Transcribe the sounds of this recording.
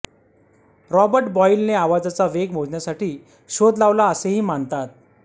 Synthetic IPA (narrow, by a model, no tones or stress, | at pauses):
ɾɔbəɾʈbɔilneaʋad͡zat͡saʋeɡm̤od͡zɳjasaʈiː | ɕod̪laʋlaəseɦiːmant̪at̪̚